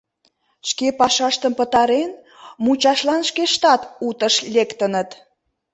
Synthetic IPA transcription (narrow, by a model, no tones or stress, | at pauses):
ʃkepɑʃɑʃt̪əmpət̪ɑɾen | mut͡ɕɑʃlɑnʃkeʃt̪ɑt̪ut̪əʃlʲekt̪ənət̪